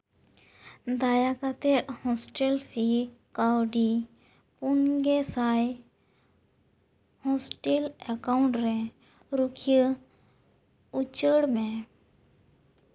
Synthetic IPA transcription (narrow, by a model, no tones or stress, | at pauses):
d̪ajakat̪ɛʈhɔ̃sʈɛlpʰikawɖi | punɡɛsaj | hɔsʈelɛkawuɳʈɾɛ | ɾukʰijə | ut͡ʃəɽmɛ̃